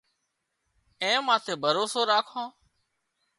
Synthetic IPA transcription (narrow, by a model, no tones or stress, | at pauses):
ẽːmãːt̪ʰeːbʱəɾoːsoːɾaːkʰõː